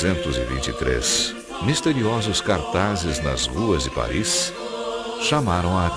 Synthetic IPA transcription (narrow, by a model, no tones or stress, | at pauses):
ẽnt̪ʊzɪ̰vḭ̃t͡ʃit̪ɾḛs | mist̪eɾiɔzʊskaɾt̪azɪznɐ̰zʁuɐzd͡ʒɪpa̰ɾis | ʃamaɾɐ̃w̃a